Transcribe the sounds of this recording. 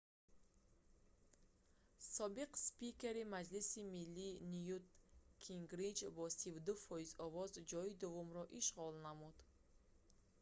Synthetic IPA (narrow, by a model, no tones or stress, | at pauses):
sɔbiqspikeɾimad͡ʒlisimilːinijut̪kʰiŋɡɾid͡ʒbɔsivd̪ufɔizɔvɔzd͡ʒɔid̪uvumɾɔʔiʃʁɔlnamud̪̥